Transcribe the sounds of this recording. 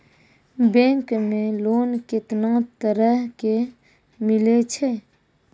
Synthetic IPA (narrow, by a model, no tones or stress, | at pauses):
beŋkmelonket̪naŋt̪əɾake | milet͡ɕʰe